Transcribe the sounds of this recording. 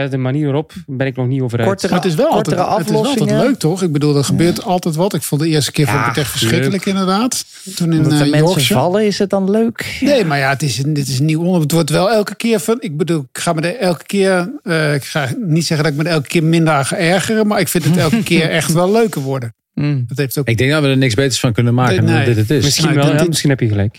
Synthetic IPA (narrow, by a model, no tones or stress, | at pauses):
ɛdəmaniəɾɔpbɛnɪk̚nɔxniowvərɔmatɪs̬ʋɛlˠltɛəɔəfɪɔstɛlløɥk̚tʰɔxɪɡ̚bədulˠdɔtχəbøːɹtɑlˠtɛjtʋɔtɪkfulˠdəɪːəstə̥kɪːɹffɔbətɛxtfə̥sxrɪkələkɪndəɹdaːt | tunɪnjmɛɔɹsəɑlˠəɪsət̚dɑnløːknejmaɹjaətɪsəndɪtɪs̬ənːiwɔnəətʋɔtʋɛlˠɛlˠkəkɪːɹfɔnɪɡ̚bədulˠɪkχaːmədəɛlˠkə̥kɪːɹəɪkχanitsɛχəndɔtɪk̚mədəɛlˠkə̥kɪːɹmɪndəraːxaɛɹχərəmaɹɪkfɪntətɛlˠkəkɪːəɹɛxtʋɛlˠløɥkəʋɔɹdə | dɔtɦejftoɪɡ̚dɛŋɡdaʋədənɪksbejtəɹsfɑnkɵnənmaːkənedɪtətɪsɪsidmɪsinɛpjəəlɛk